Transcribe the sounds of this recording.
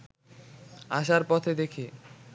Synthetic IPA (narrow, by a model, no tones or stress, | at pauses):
a̰ʃ̬aɾpɔt̪ʰed̪ekʰe